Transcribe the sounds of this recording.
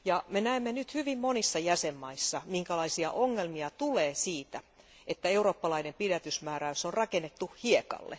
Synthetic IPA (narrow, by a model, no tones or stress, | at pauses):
jɑmenæemːenyt̪hyʋimmonisːɑjæsemːɑisːɑmiŋkælɑisiɑ̰ʔoŋːelmiɑt̪uleːsiːt̪æ | et̪ːæeuroːpːɑlɑinempidæt̪ysmæːɾæysonrɑkenːet̪ːuhiekɑ̰lːḛ